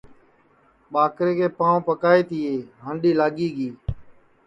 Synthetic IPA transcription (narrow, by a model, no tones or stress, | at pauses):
ɓaːkɾeːkʰeːpãːʋ̃pəkaːeːt̪ɪːeːɦə̃ɳɖiːlaːɠiːɠiː